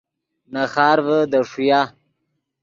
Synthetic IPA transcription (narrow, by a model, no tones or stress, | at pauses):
naxɑːɾvəd̪əʂuja